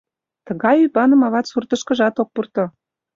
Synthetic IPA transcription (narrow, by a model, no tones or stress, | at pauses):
t̪ə̆ɣɑjybɑnə̆mɑβɑt̪surt̪ɤ̆ʃkɤ̆ʒɑt̪ok̚purt̪ŏ